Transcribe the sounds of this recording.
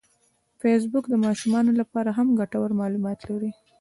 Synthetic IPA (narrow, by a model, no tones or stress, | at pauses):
fes̬bʊkd̪əmɑʃumɑnolapɑɾaɦamɡaʈawəɾmɑlumɑt̪laɾi